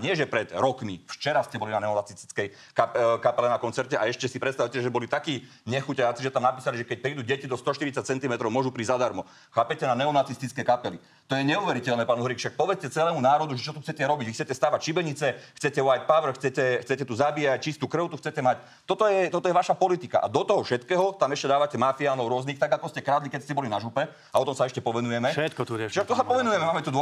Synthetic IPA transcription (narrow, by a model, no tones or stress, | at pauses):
ɲɪɛʒɛpɾɛd̪ɾɔkmift͡ʃɛɾascɛbɔlinanɛɔnat͡sist̪i̥t͡skɛj | kakapɛlɛnakɔnt͡sɛɾcɛʔaɛʃcɛsipɾɛtst̪aʋwcɛʒɛbɔlit̪akiː | ɲɛxucaat͡siʒɛt̪amnapiːsaliʒɛkɛc̚pɾiːd̪uːɟɛcid̪ɔst̪ɔʃt̪iɾitt͡sac̚t͡sɛnt̪imɛt̪ɾɔʊmɔʒupɾizad̪aɾmɔ | xaːpɛcɛnanɛɔnat͡sist̪it͡skɛjkapɛli | t̪ɔjɛɲɛuʋɛɾicɛlnɛːpaːnuɦɾikʃak̚pɔʋɛt͡scɛt͡sɛlɛːmunaːɾɔd̪uʒɛt͡ʃɔt̪uxt͡sɛcɛɾɔbiɟʋixt͡sɛcɛst̪aːʋacʃibɛɲit͡sɛxt͡sɛcɛʊajt̪̚paʋr̩xt͡sɛcɛxt͡sɛcɛt̪uzabijac̚t͡ʃist̪uːkɾ̩ʊt̪uxt͡sɛcɛmac | t̪ɔt̪ɔjɛt̪ɔt̪ɔjɛʋaʃapɔlit̪ika̰ʔa̰d̪ɔt̪ɔɦɔfʃɛt̪kɛːɦɔt̪amɛʃcɛd̪aːʋacɛmafiaːnɔʊɾʊɔzniːxt̪aɡakɔscɛkɾaːd̪likɛcscɛbɔlinaʒupɛ | aɔt̪ɔmsaɛʃcɛpɔʋɛnujɛmɛʃɛt̪kɔt̪uɾɛt͡ʃʃakt̪usapɔʋɛnujɛmɛmaːmɛt̪ud̪ɔ